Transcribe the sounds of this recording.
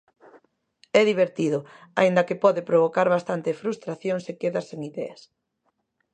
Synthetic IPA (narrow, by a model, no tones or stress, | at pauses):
ɛðiβ̞eɾt̪iðʊa̰ind̪ɐkepɔðepɾoβ̞okaɾβast̪ant̪ɪfɾust̪ɾaθjoŋsekeðɐseŋiðɛ̰ɐs